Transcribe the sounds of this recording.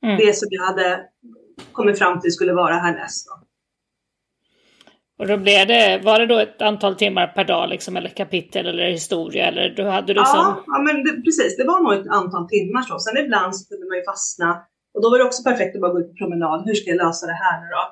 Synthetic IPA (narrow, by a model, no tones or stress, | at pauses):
d̪ɛsɔmjɑhad̪ːə | kʰɔmːɪt̪fɾamːt̪ʰɪlskɵlːəvɑːɾaɦæːɳɛ̰st̪̚d̪ɔ | ɔd̪ɔblɪvd̪ɛvaɖɛd̪ɔɛt̪ant̪ʰɑːlt̪ʰɪmːaɾpʰæɖɑ̰ːlɪ̰ksɔmɛlːəkʰapɪt̪ʰːəlɛlːəɾhɪst̪uːɾɪa̰ɛ̰lːə̰ɖɵhad̪ːəd̪ɛːɔɑːmɛnd̪ɛpʰɾɛsiːsd̪ɛvaɳuːɛt̪ant̪ʰɑːlt̪ʰɪmːaʂɔsɛnɪbland̪sɔ̥kɵld̪əmanjɵfasna | ɔd̪ɔvaɖɛɔksɔpæɾfɛk̚t̪ɔbɑːɾaɡoʉ̟t̪̚pʰɔ̥pʰɾʊmɛnɑːd̪hɵʂkajalœːsad̪ɛɦæːɳʉɾɔ